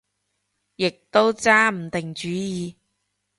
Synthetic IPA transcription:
jɪ˨k̚t̪o˥wt͡saː˥m̩˨˩t̪ɪ˨ŋt͡ʃyː˨˥jiː˨˧

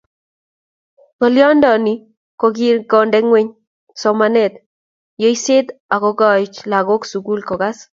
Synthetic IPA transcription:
kɔ˨ljɔ˦ndɔ˨ni˨ | kɔ˨ɡi˦ɾɡɔ˨ndɛ˦ŋwe˦ɲ | sɔmanɛ˦t̪ | jo˦ise˦t̪a˨kɔ˨ɡɔ˦t͡ʃla˨ɡo˦ksu˨ɡu˦lkɔ˨ɡa˦s

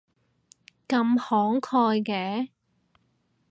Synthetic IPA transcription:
kɐ˧mhɔː˨˥ŋkʰɔː˧jkɛː˧˥

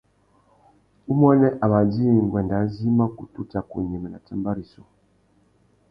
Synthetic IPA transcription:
u˦mɔ˦nɛ˦ʔa˨βa˨d͡ʒi˦˨ŋ˨ɡwɛ˨nda˨˦zi˦ma˦ku˨tu˦ta˨kṵ˨ɲɛ˨mɛ˨na˨tɛ˦mba˦ɾi˨sɔ˨

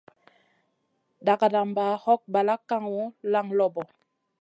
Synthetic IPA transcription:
da˨ka˨da˨mba˨hɔ˦k̚ba˨la˦kːa˦ŋwo˦la˦ŋlɔ˦bɔ˨

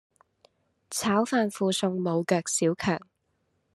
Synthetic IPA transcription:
t͡sʰaː˨˥wfaː˧nfuː˧sʊ˧ŋmo˨˧wkœː˧k̚siː˨˥wkʰœː˨˩ŋ

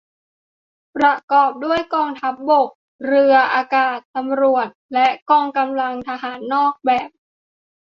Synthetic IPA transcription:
pɾa˧kɔː˨˩p̚du˥˩əjkɔː˧ŋt̪ʰa˦˥p̚bo˨˩k̚ | ɾɯ˧ɐʔaː˧kaː˨˩t̪ːa˧mɾu˨˩ət̪̚lɛ˦˥ʔkɔː˧ŋka˧mla˧ŋt̪ʰa˧ɦaː˩˦nːɔː˥˩k̚bɛː˨˩p̚

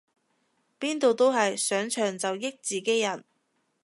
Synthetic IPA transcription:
piː˥nt̪o˨˧wt̪o˥wɦɐ˨jsœː˨˥ŋt͡ʃʰœː˨˩ŋt͡sɐ˨wjɪ˥k̚t͡siː˨˩ke˨˥jjɐ˨˩n

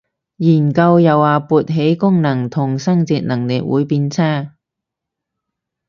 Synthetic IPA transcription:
jiː˨˩nkɐ˧wjɐ˨waː˨puː˨˧t̚ɦe˨˥jkʊ˥ŋnɐ˨˩ŋt̪ʰʊ˨˩ŋsɐ˥ŋt͡siː˧t̚nɐ˨˩ŋlɪ˨k̚wṵː˨˥jpiː˧nt͡sʰaː˥˩

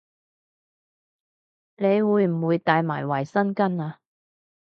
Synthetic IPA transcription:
ne˨˧jwuː˨˧jm̩˨˩wuː˨˧jt̪aː˨˧jmaː˨˩jwɐ˨jsɐ˥nkɐ˥naː˧

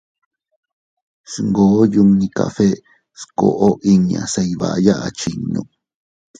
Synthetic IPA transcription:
sŋɡo˨˦ju˧ŋnĩ˧ka̰˧fe˦ | sko̰˧ʔo˦ʔi˦ɲã˨sa˧jβa̰˨˦ja˦ʔa˨˧t͡ʃi˨nːṵ̃˧

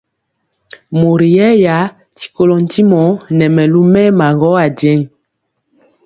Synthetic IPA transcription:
mo˨ɾi˨jɛ˦ja˨˦ | ti̥˨ko˦lɔ˨n̩˨ti˦mɔ˨˦nɛ˨mɛ˨lu˦mɛ˦ma˨ŋɡɔ˦a˨dɛ˦ŋ

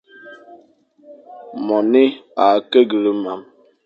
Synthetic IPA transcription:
mɔ˨ni˦a˨˦ke˦ɡə˨lə˦ma˨m

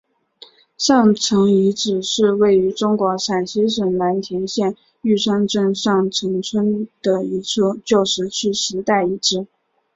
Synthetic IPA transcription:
ʂɑ˥˩ŋʈ͡ʂʰɤ˧˥ŋi˧˥ʈ͡ʂɻ̩˨˩ʂɻ̩˥˧we˥˩ɪy˧˥ʈ͡ʂʊ˥ŋkwɔ˧˥ʂa˨˩nɕi˥ʂwə˨˩nla˧˥nt̪ʰjɛ˧˥nɕjɛ˥˧n | y˥˩ʂʰɑ˥ŋʈ͡ʂɤ˥˧ŋʂɑ˥˩ŋʈ͡ʂʰɤ˧˥ŋt͡sʰwə˥nd̪̥ə˨i˧˥t͡sʰɤ˥˧t͡ɕjo˥˩ʊʂɻ̩˧˥t͡ɕʰy˥˩ɕɻ̩˧˥t̪a˥˩ɪi˧˥ʈ͡ʂɻ̩˥

